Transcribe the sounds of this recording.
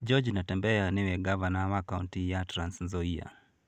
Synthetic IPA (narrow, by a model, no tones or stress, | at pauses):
d͡ʒɔd͡ʒnatɛmbɛanɪwɛɡavanawakaṵntijatɾansnzɔia̰